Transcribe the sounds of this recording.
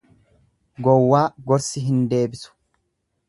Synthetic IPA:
ɡɔwːaːɡɔɾsɪɦɪnd̪e̞ːbɪsʊ̥

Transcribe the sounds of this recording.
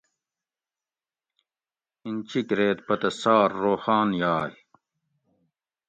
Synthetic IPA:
int͡ɕʰikɾeːt̪̚pɐt̪ɐsaːɾːoːxaːnjaːj

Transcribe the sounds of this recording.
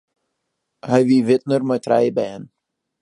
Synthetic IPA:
hajviːvɪt̪̚nəɾmət̪ɾa̰jbɛn

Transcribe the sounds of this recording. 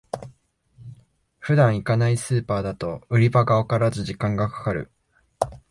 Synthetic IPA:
ɸɯ̟d̪ãɰ̃ikanaisɨːpaːd̪at̪o̞ɯ̟ɾʲibaɡaokaɾazɨʑikãŋɡakḁkaɾɯ̟̰

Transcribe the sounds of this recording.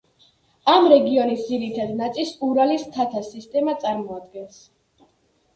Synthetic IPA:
amɾɛɡiɔnisd̪ziɾit̪ʰad̪nat̪sʼilˠsuɾalist̪ʰat̪ʰasist̪ʼɛmat̪sʼaɾmɔad̪̚ɡɛns

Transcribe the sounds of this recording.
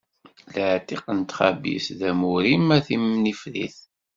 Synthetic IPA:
ləʕt̪iqənt̪χæbḭsðæmuɾimæθimnifɾḭθ

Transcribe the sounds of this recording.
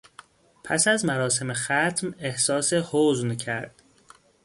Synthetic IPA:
pʰæ̰sæzmæɾɒːse̞mexæt̪ʰme̞hsɒːsehoːzncʰæɾd̪̥

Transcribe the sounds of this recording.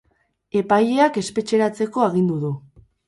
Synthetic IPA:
e̞paje̞ake̞spe̞t͡ʃe̞ɾat͡se̞ko̞aɣind̪uðu

